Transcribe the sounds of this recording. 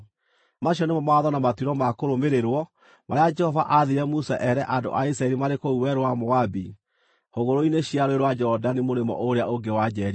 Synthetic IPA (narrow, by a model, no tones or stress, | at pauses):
maɕiɔnemɔmaðɔnamatiɾɔmakoɾomeɾeɾwɔ | maɾead͡ʒɛhɔvaʔaðeɾɛmusaʔɛɾɛʔando̰ʔais̬ɾaɛɾimaɾekouwɛɾoamɔabi | hoɣoɾoineɕiaɾoeɾwad͡ʒɔdanimoɾemɔ̰ʔoɾeaoɡewad͡ʒɛɾi